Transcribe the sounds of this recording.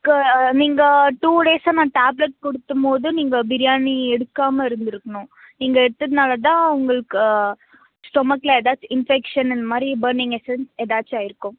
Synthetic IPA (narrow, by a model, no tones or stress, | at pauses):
kniːŋɡɐʈuːɽeːsaːnãːʈaːblɛʈ̚kɔɽɯt̪ːɯmpoːðɯniːŋɡɐbɪɾɪjaːniɛɽɯkːaːmɐɪɾɯnd̪ɪɾɯkːɐɳʊ̃ | niːŋɡɐɛɽɯt̪ːɐðɯnaːlɐt̪̬ãːʊŋɡɐɭɯkːɯ | sʈɔmaːklɐɛðaːt͡ʃːɪnfɛkʂɐnɛnd̪ɐmaːd̪ɾibɐɾnɪŋɡɛsɛnsɛðaːt͡ʃːaːjɪɾɯkːʊ̃